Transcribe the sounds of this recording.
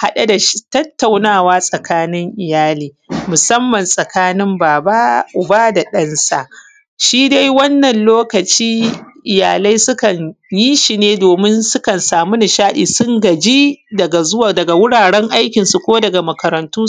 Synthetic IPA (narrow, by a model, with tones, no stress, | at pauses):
ha˨ɗa˦da˨ʃtɐ˦tːa˨wnaː˦˨waː˦sʼɐ˨kaː˦nɪ˦ŋʔɪ˨jaː˦liː˨mʊ˨sɐ˦mːɐ˨nsʼɐ˨kaː˦nɪ˦mbaː˨ba˦ʔʊ˨ba˦da˨ɗɐ˦nsa̰˦˨ʔ | ʃiː˦da˦jwɐ˦nːɐ˨nloː˦kɐ˨t͡ʃiː˦ʔɪ˨jaː˨la˦jsʊ˦kɐ˨ɲji˦ʃi˨neː˦doː˨mɪ˦nsʊ˦kɐ˨nsaː˨mu˦na˨ʃaː˦ɗiː˨sʊ˦ŋɡɐ˨d͡ʒi˦dɐ˨ɡa˨zʊ˦wa˨dɐ˨ɡa˨wʊ˦ɽaː˨ɽɛ˦ŋʔa˦jkʲɪ˨nsu˨kʷoː˦dɐ˨ɡa˨mɐ˨kɐ˨ɾɐ˨ntuː˦